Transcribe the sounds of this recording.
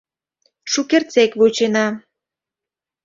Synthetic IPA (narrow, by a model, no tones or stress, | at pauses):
ʃukert͡sekβut͡ɕenɑ